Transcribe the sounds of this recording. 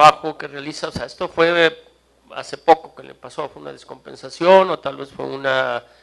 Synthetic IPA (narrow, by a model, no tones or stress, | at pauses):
βaxokerealisaoseaest̪ofwe̞ | a̰se̞po̞ko̞kelḛpaso̞fweuna̰ðesko̞mpe̞̰nsasjono̞t̪alβe̞sfwḛuna